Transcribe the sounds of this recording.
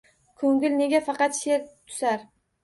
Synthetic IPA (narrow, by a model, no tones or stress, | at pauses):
kʰoŋɡʲɪlne̞ɡʲafɑqɑt̪ʃe̞ɾt̪ʰʊ̥saɾ